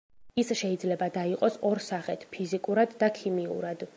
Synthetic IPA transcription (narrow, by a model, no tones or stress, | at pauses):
isʃɛid̪zlɛbad̪aiqʼɔsɔɾsaχɛt̪ʰpʰizikʼuɾad̪ːakʰimiṵɾad̪̥